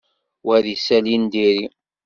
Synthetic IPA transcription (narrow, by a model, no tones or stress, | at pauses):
wæðisælind̪iɾi